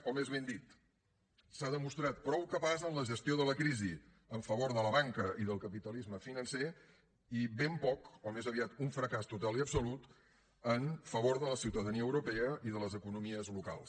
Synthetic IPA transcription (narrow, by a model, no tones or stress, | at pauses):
kɔmezβend̪it̪ | saðəmust̪ɾat̪̚pɾɔwkəpazənləʒəst̪ioðələkɾizi | əɱfəβoɾðələβaŋkəʔiðəlˠkəpit̪əlizməfinənse | iβempɔkɔmezəβiat̪uɱfɾəkast̪ut̪aliəpsulut̪ | əɱfəβ̞oɾðələsiwt̪əðəniəwɾupɛəʔiðələzəkunumiəzluka̰lˠs